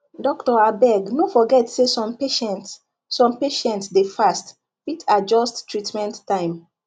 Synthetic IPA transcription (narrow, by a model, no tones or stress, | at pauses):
dɔktɔabɛɡnofɔɡɛtsesɔ̃mpeʃɛ̃nt | sɔ̃mpeʃɛ̃ntsdefast | pitʰad͡ʒɔstːɹitmɛ̃ntːãɪ̃m